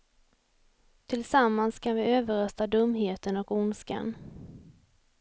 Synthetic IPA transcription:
t̪ʰɪlsamːanskʰanvɪøːvəɾœst̪ad̪ɵmːɦeːt̪ənɔkʊnska̰n

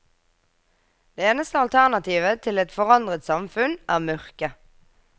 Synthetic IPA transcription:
d̪̥eːeːnəst̪əɑlt̪ʰæʁnɑt̪ʰiːʋət̪ʰɪlɛt̪fɔʁɑnd̪ʁət̪sɑmfʉnʔæːʁmœʁkə

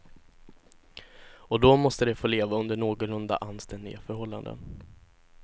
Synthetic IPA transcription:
ɔd̪ɔmɔst̪əd̪ɛfoːleːvaɵnd̪əɳoːɡɔlɵnd̪a̰ʔanst̪ɛnd̪ɪ̰ɡafœɾhɔlːa̰nd̪ə̰n

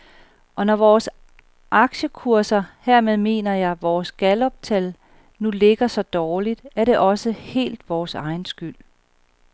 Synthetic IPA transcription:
ʔɒ̽nɒʋɒːs | ʔɑ̈ɡ̥ɕəkʰuɐsɐheɐmeðˠme̝̰ːnɐjɑ̈ɪʋɒːsɡ̥ælɒ̽b̥̚t͡sʰæl | nule̝ɡ̥ɐsɒ̽d̥ɒːlid̥æɐɾ̥e̝ʔɒ̽səhe̝̰ːld̥ʋɒːsɑ̈ɪnsɡ̥yl̰

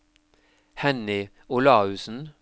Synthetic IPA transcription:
hɛnɪ | ʊlɑːʉːsn̩

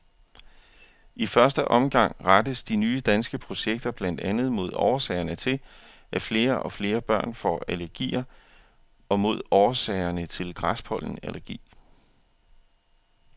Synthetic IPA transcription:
ʔifɶɐsd̥əʔɒ̽mɡ̥ɑ̈ŋ̰ʁɑd̥əsd̥inyːəd̥ænsɡ̥əpʰʁo̝ɕeɡ̥̚d̥ɐb̥læn̰d̥ænð̞̩ˠmo̝ð̞̰ˠɒ̰ʊɐsɛɪɐnət͡sʰe̝l | ʔæfle̝ːɐʔɒ̽fle̝ːɐb̥ɶɐ̰nfɒ̽ælæɐɡ̥ḭːɐ | ɒ̽mo̝ð̞̰ˠɒʊɐsɛɪɐnət͡sʰe̝lɡ̥ʁɑsb̥ʰɒ̽l̰n̩ælʔæɐɡ̥ḭː

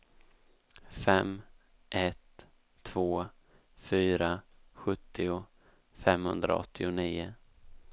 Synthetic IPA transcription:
fɛm | ʔɛt̪ʰː | v̥oː | fyːɾaɧɵt̪ʰːɪʊ | fɛmhɵnd̪ɾa̰ɔ̰t̪ʰːɪʊniːʊ

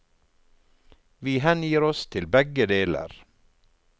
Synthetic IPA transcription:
ʋiːhɛnjiːɾɔst̪ʰɪlbɛɡəd̪eːlə̰ɾ

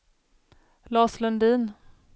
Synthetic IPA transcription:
lɑːslɵnd̪iːn

